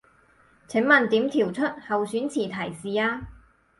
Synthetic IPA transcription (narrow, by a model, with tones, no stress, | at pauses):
t͡sʰɪ˨˥ŋmɐ˨˩nt̪iː˨˥mt̪ʰiː˨˩wt͡sʰɵ˥t̚hɐ˨wsyː˨˥nt͡sʰiː˨˩t̪ʰɐ˨˩jsiː˨˩aː˧